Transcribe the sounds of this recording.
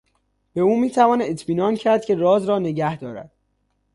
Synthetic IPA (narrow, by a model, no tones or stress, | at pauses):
b̥e̞uːmiːt̪ʰævɒːnet̪ʰmiːnɒːncʰæɾd̪̚cʲʰerɒːzɾɒːne̞ɟæhd̪ɒːɾæ̰d̪̥̚